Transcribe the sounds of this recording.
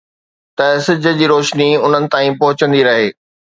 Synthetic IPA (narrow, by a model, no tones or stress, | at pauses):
t̪ɐsɪd͡ʑʱə̆d͡ʑiːɾoːʃniʊn̤ənɪ̆t̪ãːĩpɐɦʊt͡ɕə̃nd̪iɾɐɦeː